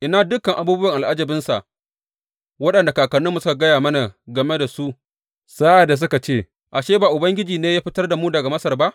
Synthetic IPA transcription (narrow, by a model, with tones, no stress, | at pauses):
ʔɪ˨naː˦dʊ˦kːɐ˨ŋʔa˨buː˦bʊ˦wɐ˨ŋʔa˨lʔa˦d͡ʒɐ˨bɪ˦nsa˨ʔ | wɐ˦ɗɐ˨nda˨kaː˨kɐ˨nːʊ˦mːu˨sʊ˦ka˨ɡɐ˦jaː˨mɐ˦na˨ɡɐ˨me˦da˨su˦ʔ | sa˦ʔa˨dːa˨s̬ʊ˦ka˨t͡ʃeː˦˨ | ʔa˨ʃeː˦baː˨ʔʊ˨bɐ˦ŋɡʲɪ˦d͡ʒiː˨neː˦jaː˦ɸɪ˦tɐ˦rda˨muː˦dɐ˨ɡa˨mɐ˦sɐ˨rba˦ʔ